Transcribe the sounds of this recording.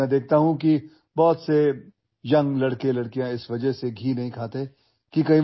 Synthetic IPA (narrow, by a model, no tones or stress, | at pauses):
ɛ̃d̪eːk̚ʰt̪aɦũki | bɔːt̪se | jɐ̃ŋɡlɐɽkelɐɽkijãɪsʋɐd͡ʒəɦseɡʱiːnɐɦĩkʰaːt̪e | kikɐĩ